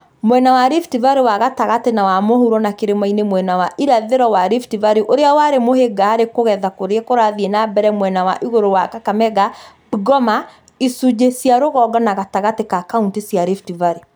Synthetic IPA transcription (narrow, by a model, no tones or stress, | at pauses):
mwɛnawaɾiftivaɾewaɣataɣatenawamohuɾɔnakeɾemainemwɛnawaʔiɾaðeɾɔwaɾiftivaɾiʔoɾeawaɾemoheɡaaɾekoɣɛðakoɾeɛkoɾaðiɛnabɛɾɛmwɛnawa̰ʔiɣoɾowakakamɛɡa | biɡɔma | isud͡ʒesjaɾoɣɔɡɔnaɣataɣatekakauntisjaɾiftivaɾe